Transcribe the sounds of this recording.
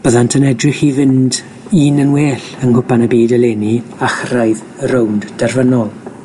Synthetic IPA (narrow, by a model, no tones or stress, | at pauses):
b̥əðantʰənɛdrɪχivɪnd | iːnənweːɬənhʊbanəbiːdəleːniaχrajð | rowndd̥ɛrvənɔlˠ